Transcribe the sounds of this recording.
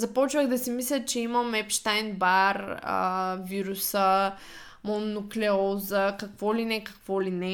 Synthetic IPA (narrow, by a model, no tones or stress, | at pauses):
zɐpɔt͡ʃvəɣd̪ɐsimislʲɐt̪̚t͡ʃɛiməmɛpʃt̪ajnbaɾə̰viɾusə | monːuklɛɔzəkɐkvɔlinɛkɐ̥kvɔlinɛ